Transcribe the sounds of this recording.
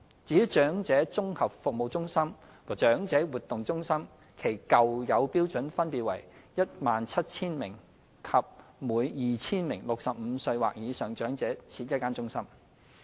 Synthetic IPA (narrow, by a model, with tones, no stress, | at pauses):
t͡siː˨˥t͡ʃœː˨˥ŋt͡sɛː˨˥t͡sʊ˥ŋhɐ˨p̚fʊ˨k̚mo˨wt͡sʊ˥ŋsɐ˥m | wɔː˨˩t͡ʃœː˨˥ŋt͡sɛː˨˥wuː˨t̪ʊ˨ŋt͡sʊ˥ŋsɐ˥m | kʰe˨˩jkɐ˨wjɐ˨˧wpiː˥wt͡sɵ˨˥nfɐ˥npiː˨t̚wɐ̰˨˩jjɐ˥t̚maː˨nt͡sʰɐ˥t̚t͡sʰiː˥nmɪ˨˩ŋ | kʰɐ˨p̚muː˨˧jjiː˨t͡sʰiː˥nmɪ˨˩ŋlʊ˨k̚sɐ˨p̚m̩˨˧sɵ˧ɥwa̰ː˨k̚jiː˨˧sœː˨ŋt͡ʃœː˨˥ŋt͡sɛː˨˥t͡sʰiː˧t̚jɐ˥t̚kaː˥nt͡sʊ˥ŋsɐ˥m